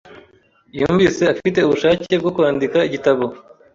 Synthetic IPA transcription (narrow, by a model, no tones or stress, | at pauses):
juːɱvise̞afite̞uβuʃaːce̞bɡo̞kuwaːndikaiɟitaβo̞